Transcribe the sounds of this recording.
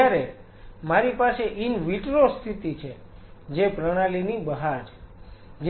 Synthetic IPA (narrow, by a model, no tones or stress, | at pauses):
aɾe | maɾipaseʔinʋiʈɾost̪ʰit̪it͡ʃʰe | d͡ʒepɾəɽ̃alinibəɦaɾ | d͡ʒ